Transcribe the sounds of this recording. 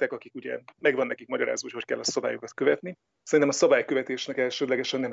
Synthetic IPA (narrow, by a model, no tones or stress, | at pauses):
t̪ɛkɒkikuɟɛ̰mɛɡvɒnːɛkikmɒɟɒɾa̰ːzoːocho̞ckɛlːɒsɒbaːjokɒt̪køvɛt̪ni | sɛɾint̪ɛmɒsɒbaːjkøvɛt̪eːʃnɛkɛlʃøːd̪lɛɡɛʃɛnːɛm